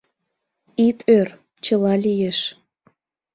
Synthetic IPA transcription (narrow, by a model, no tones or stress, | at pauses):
it̪ʰør | t͡ɕəlɑlʲijeʃ